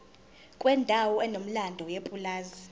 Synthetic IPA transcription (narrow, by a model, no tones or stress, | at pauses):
kʼwɛndʱawɔɛnom̩landʱɔjepʼulaːzi